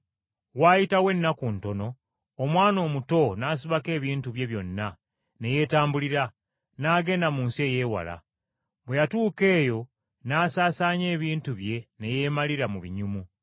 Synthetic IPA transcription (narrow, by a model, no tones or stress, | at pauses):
waːjitawe̞nːakunto̞no̞ː | mwaːno̞ːmuto̞naːs̬iβake̞ːβiːntuβje̞βjo̞nːa | ne̞je̞ːtaːmbuliɾa | naːɡe̞ːndamuːnsie̞je̞ːwa̰la̰ | βwe̞jatuːke̞ːjo̞ | naːsaːsaːɲe̞ːβiːntuβje̞ne̞je̞maliɾamuβiɲumu